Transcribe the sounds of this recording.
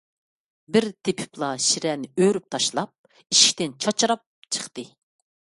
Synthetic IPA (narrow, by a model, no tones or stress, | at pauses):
bɪɾt̪ʰepʰɪ̥plˠɑʃiɾɛnɪøɾyp̚t̪ʰɑʃlˠɑp̚ | iʃkʲt̪ɪnt͡ʃʰɑt͡ʃʰɾɑp̚t͡ʃʰə̥χt̪ɨ